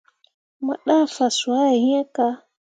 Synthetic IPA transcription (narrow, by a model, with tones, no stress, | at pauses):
ma̰˨ɗa˦˨fa˨swa˦ɛ˨hĩ˦ɛ˦ka˦